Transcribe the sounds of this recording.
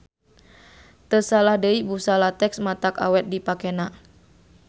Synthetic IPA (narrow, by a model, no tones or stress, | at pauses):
t̪əsalahdəibusalat̪ɛksmat̪aka̰wɛt̪̚dipakɛna